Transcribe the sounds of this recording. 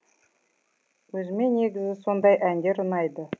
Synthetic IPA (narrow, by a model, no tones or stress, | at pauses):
wɵzɪme̞ne̞ɡʲɪzɪso̞nd̪ɑjʔænd̪e̞ɾənɑjd̪ə